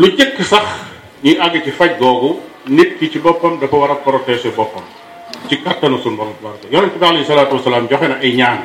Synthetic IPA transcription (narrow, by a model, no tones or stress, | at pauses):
luɟikːsɐx | ɲiʔɐɡɐcifɐc̚ɡɔːɡu | nit̚kicibɔpːɐmdɐfɐwɐɾɐp̚kɔɾɔtɛsɛbɔpːɐm | cikɐtːɐnɐsunbɔmwɐɾtɐjɔnɐmtibaaleisɐlaːt̪uwɐsːɐlaːmɟɔxɛnɐʔɐjɲaːn